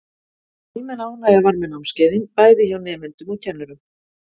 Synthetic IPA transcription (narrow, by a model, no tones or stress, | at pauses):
imɛnaːwnajavaɾmɪnawmscɛːðɪnpaːjðɪçawnɛːmɪnt̪ʏmuðcʰɛnːʏɾʏm